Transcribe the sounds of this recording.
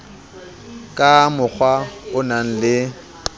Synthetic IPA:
kʼamʊk͡xʰwaʊnan̩lɪ

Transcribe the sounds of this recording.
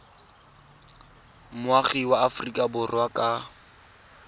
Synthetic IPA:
mʊaχiwaafʊrikʼabʊrwakʼa

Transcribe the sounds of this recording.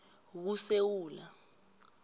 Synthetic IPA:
k̬usewuːla

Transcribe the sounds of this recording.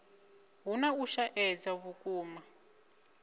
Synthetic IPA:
ɦunauʃaʔɛd͡zaβukuːma

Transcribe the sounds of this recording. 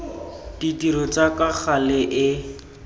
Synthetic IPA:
ditiɾɔt͡sakak͡xʰalɪʔɪ

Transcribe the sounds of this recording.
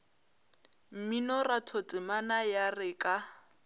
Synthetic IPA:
m̩minɔratʰotʼɪmanajarɪkʼa

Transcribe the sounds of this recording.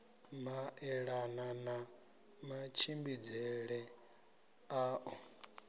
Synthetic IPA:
maɛɺanana | mat͡ʃʰimbid͡zɛɺɛ | aːʔɔ

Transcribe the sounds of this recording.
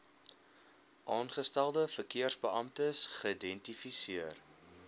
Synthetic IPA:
ʔɑːnχəstælˠdəfərkiərzbəɐmtəsχəidɛntifisiər

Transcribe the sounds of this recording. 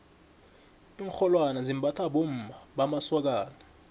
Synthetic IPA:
iŋxɔlwanazimbʱatʰaɓom̩bʱaɓamaswak̬aːla

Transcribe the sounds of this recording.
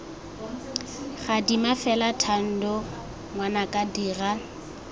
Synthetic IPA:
χadimafɛlatʰan̩dɔ | ŋwanakʼadiːra

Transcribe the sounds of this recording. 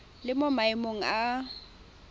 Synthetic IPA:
lɪmomaɪmoŋ̩a

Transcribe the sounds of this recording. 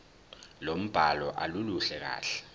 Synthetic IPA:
lom̩b̥ʱalɔʔaluluɬɛk̬a̰ːɬɛ̥

